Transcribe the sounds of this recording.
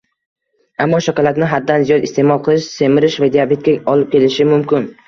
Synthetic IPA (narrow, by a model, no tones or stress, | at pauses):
amːɒʃakʲɒlˠat̪nɪɦad̪ːanzijɒd̪ɪst̪ʰe̞mɒlˠqʰɨlˠɪʃse̞mɪɾɪʃvad̪iabe̞t̪̚kʲaɒlɪp̚kʲʰe̞lɪʃɪmʊmkʲɪn